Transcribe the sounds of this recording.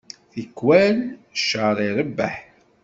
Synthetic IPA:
θikːwænʃəɾˤiɾəbːæ̰ħ

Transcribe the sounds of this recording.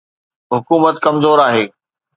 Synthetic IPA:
ɦʊkuːmət̪kɐmzoːɾaːɦeː

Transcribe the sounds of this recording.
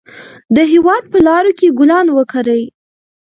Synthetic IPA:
d̪əɦewɑd̪̚pəlɑɾokeɡʊlɑnwəkaɾəj

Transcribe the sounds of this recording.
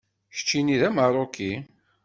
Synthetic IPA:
çə̥t͡ʃːiniðæmɑɾˤokːi

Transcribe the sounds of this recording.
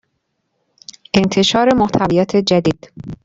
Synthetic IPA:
ʔe̞nt̪ʰe̞ʃɒːɾe̞moht̪ʰævijɒːt̪ʰe̞d͡ʒæd̪iːd̪̥

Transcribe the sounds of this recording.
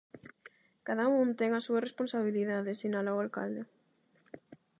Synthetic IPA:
kaðaũnt̪eŋasuaresponsaβ̞iliðaðesinalawalka̰ld̪e

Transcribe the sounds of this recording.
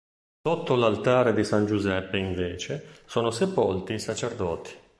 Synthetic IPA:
sot̪ːolalt̪aːɾed̪isand͡ʒuzɛpːeiɱveːt͡ʃesoːnosepolt̪iːsat͡ʃerd̪ɔːt̪ʰi̥

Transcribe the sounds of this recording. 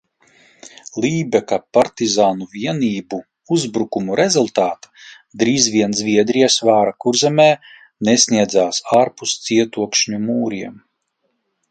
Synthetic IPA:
lʲˠiːbɛkapaɾt̪izaːnuvʲiɛniːbu | uzbɾukumuɾezulˠt̪aːt̪ḁ | d̪ɾiːzvʲiɛnzʲvʲiɛd̪ɾijɛsvaːɾakuɾzʲɛmɛː | nesʲniɛd̪zaːsaːɾpust̪sʲiɛt̪uɔkʃɲumuːɾiɛm

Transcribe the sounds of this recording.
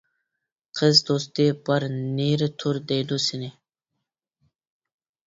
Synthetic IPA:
qʰɪsd̪oːst̪ipɐɾniːɾt̪ʰuɾd̪eːd̪usine

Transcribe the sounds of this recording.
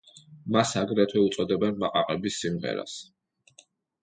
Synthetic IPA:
masaɡɾɛt̪ʰwɛut̪sʼɔd̪ɛbɛnmaqʼaqʼɛbisːimʁɛ̰ɾa̰s

